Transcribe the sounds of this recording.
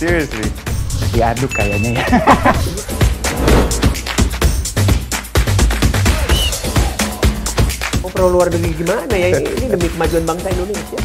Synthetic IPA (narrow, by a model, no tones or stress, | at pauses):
siɾəslidiadʊkːalaɲaja | opəɾoluardəɾiɡimanajaiḭnidəmikəmad͡ʒuanbaŋsaindoneasja